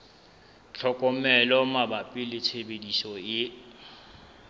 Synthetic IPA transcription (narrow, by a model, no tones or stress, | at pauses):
t͡ɬʰɔkʼɔmɛlɔmabapʼɪlɪt͡sʰebedisɔɪ